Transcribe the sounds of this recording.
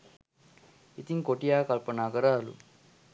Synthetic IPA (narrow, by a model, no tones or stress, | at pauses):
it̪iŋkoʈijakəlpənakəɾaɦlṵ